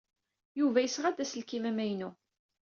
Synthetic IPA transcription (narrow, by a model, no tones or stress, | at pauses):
juvæjəsʁæd̪æsəlkimæmæjnu